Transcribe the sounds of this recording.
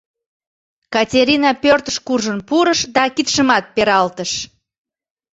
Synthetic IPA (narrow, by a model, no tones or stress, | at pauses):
kɑtʲeɾinɑpørt̪əʃkurʒənpuɾəʃd̪ɑkit̪ʃəmɑt̪̚peɾɑlt̪əʃ